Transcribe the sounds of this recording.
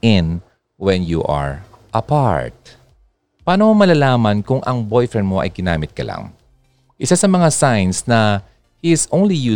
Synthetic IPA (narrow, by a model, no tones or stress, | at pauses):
ɪn | wɛ̃njṵʔɐ̰ɹ | ʔɐpa̰ɹt̪̚ | paːnomomɐlalaːmɐnkʊŋʔɐŋbojfɹɛn̚moʔɐ̰jɡɪna̰ːmɪt̪̚kɐla̰ŋ | ʔɪsasɐmɐŋasajnsnɐ | hiɪsʔõwnlijuː